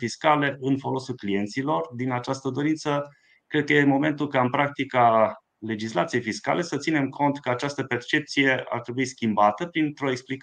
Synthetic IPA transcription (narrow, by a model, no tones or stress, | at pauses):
fiskale̞ʔɨnfo̞lo̞sulklije̞nt̪silo̞rd̪inat͡ʃast̪əd̪o̞ɾint̪sə | kɾe̞d̪̚kəjemo̞me̞nt̪ulkaɨnpɾak̚t̪ika | le̞d͡ʒisla̰t̪sije̞jfiska̰le̞sət̪sine̞mkʰo̞nt̪kəat͡ʃast̪əpe̞rt͡ʃe̞p̚t̪sije̞a̰rt̪ɾe̞buiskʲimbat̪əpɾint̪ɾo̞eksplik